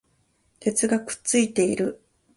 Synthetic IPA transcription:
t̪e̞t͡sɨɡakɯ̟̥t͡sɨit̪e̞iɾɯ̟

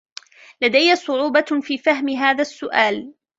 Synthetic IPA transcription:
lad̪ajːasˤʊʕuːbɑfiːfaɦmɪɦaːðasːʊʔaːl

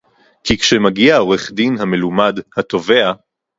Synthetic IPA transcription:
kʰikʃemaɡiao̞ʁeχdinhame̞lumadhat̪o̞ve̞a

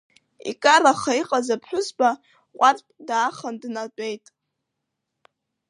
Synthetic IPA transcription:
ḭkʼaraχaiqʼazapʰħʷᶣʊsba | qʷʼarpʼdaːχandnadʼejtʼ

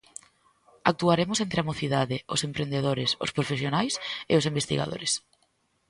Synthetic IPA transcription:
ak̚t̪uaɾemʊsent̪ɾeamoθiðaðɪʊ̰sempɾend̪eðoɾɪsʊ̰spɾofesjonajseʊsimbest̪ḭɣa̰ðo̰ɾes

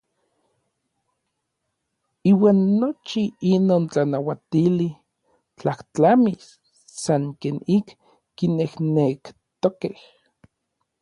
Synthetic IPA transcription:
iːwaːnːot͡ʃiinoːnt͡ɬanawat̪ili | t͡ɬaht͡ɬamisː | aŋkeːnikː | inehnekt̪okeh

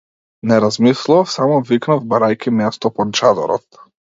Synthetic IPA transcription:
nɛɾazmislˠuafsamɔviknavbaɾajkimɛst̪ɔpɔnt͡ʃad̪ɔ̰ɾɔ̰t̪

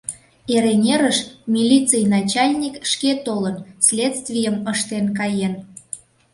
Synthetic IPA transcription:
eɾenʲeɾəʃmʲilʲit͡sɨjnɑt͡ɕɑlʲnʲikʃket̪olənsʲlʲet̪st̪vʲijəməʃt̪enkɑjen

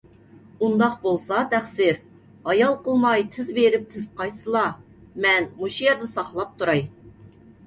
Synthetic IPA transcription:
und̪ɑq̚bolˠsɑt̪ʰæχsɪɾ | ɑjɑlˠqəlˠmɑjt̪ʰɪzbeɾɪp̚t̪ʰɪz̥qɑjsɨlˠɑ | mɛnmuʃijɑɾd̪ɨsɑχlˠɑp̚t̪ʰuɾɑj

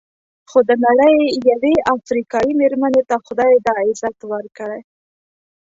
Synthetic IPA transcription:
xod̪ənaɽəjjaweafɾikɑjimeɾmənet̪axʊd̪ɑjed̪ɑɪzat̪wəɾkəɽe

